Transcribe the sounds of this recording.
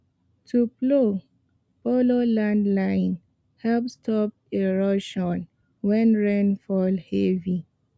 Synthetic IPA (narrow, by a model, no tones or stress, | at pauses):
tʰuplo | bololãndlãɪn | hɛlpstʰɔp̚ | eɹɔʃɔ̃n | wɛ̃nɹɛ̃nfɔlhɛvi